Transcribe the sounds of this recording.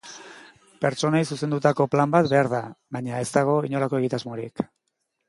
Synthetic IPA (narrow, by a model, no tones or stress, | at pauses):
pe̞ɾt͡ʃo̞najsuse̞nd̪ut̪ako̞plambat̪be̞aɾðaβaɲae̞st̪aɣ̞o̞iɲo̞lako̞e̞ɣ̞it̪azmo̞ɾik